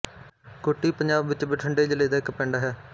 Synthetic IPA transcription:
koʈːiːpəɲd͡ʒaːbʋɪt͡ʃbiʈʰəɳɖeːd͡ʒələeːd̪aːɪkpɛ̃ːɳɖaːɦɛː

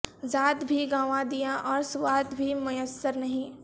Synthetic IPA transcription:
zaːd̪bʱiɡãːʋãd̪ijãʔɔːɾsʊwaːd̪bʱimʊjəsːəɾnɐɦĩː

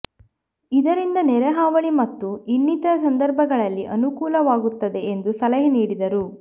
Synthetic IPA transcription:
id̪ɐɾind̪ɐnɛɾeɦaːʋɐɭimɐt̪ːuinːit̪ɐsɐnd̪ɐɾbʱɐɡɐɭɐlːiʔɐnukuːlɐʋaːɡut̪ːɐd̪e̞end̪usɐlɐɦɐniːɽid̪ɐɾu

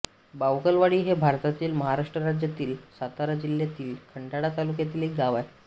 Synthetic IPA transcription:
bawɡəlʋaɽiːɦebʱaɾt̪at̪iːlməɦaɾaʂʈɾəɾad͡ʑjat̪iːlsat̪aɾad͡ʑiljat̪iːlkʰəɳɖaɽat̪alukjat̪iːlek̚ɡaʋaj

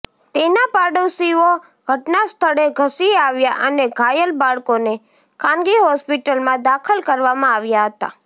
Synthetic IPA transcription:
t̪enapaɖəwsio | ɡ̥ʱəʈnast̪ʰəɽeɡʱəsiaʋjaʔəneɡʱajəlbaɭkone | kʰãnɡiɦɔspiʈəlmãd̪akʰəlkəɾʋamãaʋjaɦət̪a̰

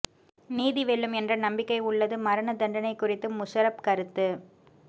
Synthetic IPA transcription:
niːðiʋeːɭːɯmɛndrɐnɐmbɪkːɐɪʊɭːɐðɯmɐɾɐnɐd̪ɐɳɖɐnɐɪkːʊrɪt̪ːɯmʊsɐɾɐp̚kɐɾɯt̪ːɯ

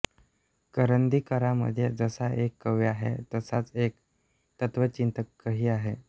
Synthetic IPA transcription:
kəɾənd̪ikəɾamə̰d̪ʱjed͡zəsaʔekːəʋjaɦḛt̪əsat͡sek̚ | t̪ət̪ʋət͡ɕint̪əkːəɦiːaɦe

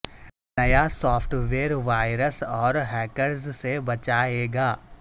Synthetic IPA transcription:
nɐjasɔːfʈʋeːɾʋaːɪɾəsɔːɾɦɛːkəɾzsebɐt͡ʃaːeːɡaː

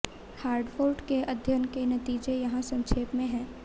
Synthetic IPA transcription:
haːɾɖfoːlɖkeʔɐd̪ʱjənkenɐt̪iːd͡ʒejɐɦãsɐ̃ŋʃʰeːpmẽɦɛ̃ː

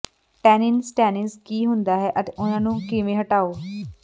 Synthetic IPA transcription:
ʈɛːnɪnsʈɛːnɪzkiːɦʊnd̪aːɦɛːʔət̪eːʔʊnãːnũːkɪʋẽːɦəʈaːoː

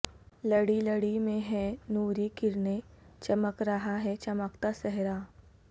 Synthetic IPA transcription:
ləɽiləɽimẽɦɛnuːɾikɪɾnet͡ʃɐməkɾɐɦaɦɛt͡ʃɐməkt̪asɛɦɾaː

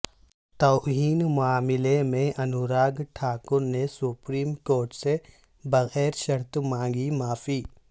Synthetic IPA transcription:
t̪oːɦiːnmʊaːmɪlemẽʔɐnʊɾaːɡʈʰaːkʊɾnesʊpɾiːmkoːɾʈse | bɐɣɛːɾʃɐɾt̪mãːŋɡimaːfiː

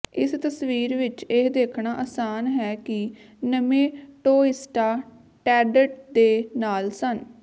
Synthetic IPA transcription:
ɪst̪əsʋiːɾʋɪt͡ʃed̪eːkʰɳaːʔaːsaːnɦɛːkɪ | nəmẽːʈoːɪsʈaː | ʈɛːɖəʈd̪eːnaːlsən

